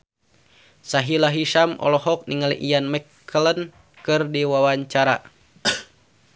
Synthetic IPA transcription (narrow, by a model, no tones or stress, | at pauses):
saɦilaɦiʃamɔ̰lɔɦɔk̚niŋalḭʔijanmɛkʰː | ələn | kɨrdiwawaɲt͡ʃaɾa̰